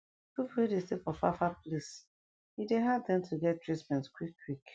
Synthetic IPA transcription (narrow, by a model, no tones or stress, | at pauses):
pupwedestefɔfafaplis | hideɦadɛ̃mtʰuɡɛt̚tɹitmɛ̃ntskwikːwik